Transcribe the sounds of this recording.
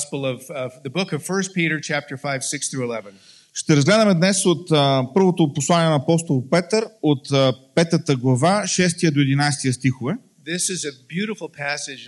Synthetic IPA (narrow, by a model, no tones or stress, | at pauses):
spl̩ˠʌvvðəbʊkʌv̥fɜ˞st̚piɾə˞t͡ʃʰæp̚t̪ə˞faɪv̥sɪksθɹʉɪlɛvə̃n | ʃt̪ɛɾɐzɡlɛd̪əmɛd̪nɛsot̪ːpɤɾvot̪oposlˠaniɛnɐːpɔst̪olˠpɛt̪əɾot̪pɛt̪ət̪əɡlˠɐvaʃɛs̬t̪ijəd̪oɛd̪inajst̪ijəst̪ixovɛ | ðɪsɪzɨbjʉɾɨfl̩ˠpʰæsɪd͡ʒ